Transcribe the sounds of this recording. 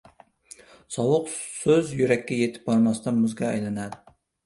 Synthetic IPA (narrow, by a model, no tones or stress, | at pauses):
sɑwʊqsøzjyɾɛkʲːɛjet̪ʰɪ̥p̚bɑɾmɑst̪ɑnmʊzɡʲɑːjlˠɑnɑd̪ɪ